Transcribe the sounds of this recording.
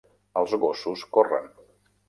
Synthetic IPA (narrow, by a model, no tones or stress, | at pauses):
əlˠzɣosuskorə̰n